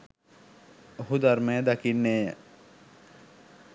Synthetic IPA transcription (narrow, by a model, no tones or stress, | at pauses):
oɦud̪armejəd̪akinːeːjə